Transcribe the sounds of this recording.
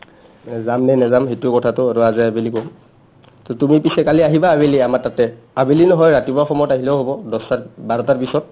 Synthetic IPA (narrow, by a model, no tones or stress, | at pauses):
nɛzamnɛnɛzamɦitukɔtʰatʊaɹuazaabilikɔm | tɔtumipisɛkaliaɦibaːbeliamaɹtatɛ | abilinɔɦɔjɹatibaxɔmɔjɔtaɦilɛʊɦobɔdɔsabaɹɔtaɹpisɔt̚